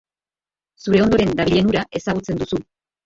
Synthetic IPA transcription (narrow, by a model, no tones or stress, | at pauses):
suɾe̞o̞nd̪o̞ɾe̞nd̪aβ̞iʎe̞nuɾaʔe̞saɣ̞ut͡se̞nd̪usu